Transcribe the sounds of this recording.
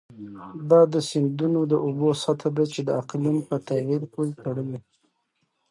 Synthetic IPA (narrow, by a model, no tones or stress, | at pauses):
d̪ɑd̪əsɪnd̪unod̪əʔobosat̪ʰad̪at͡ʃed̪əaqlunpət̪awiɾpolt̪aɽəwi